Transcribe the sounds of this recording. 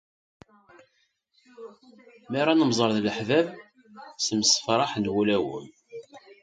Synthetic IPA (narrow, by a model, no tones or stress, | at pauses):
mæɾˤɑnəmzˤəɾˤðləħvæv | səmsə̥fɾˤɑħnwulæwə̰m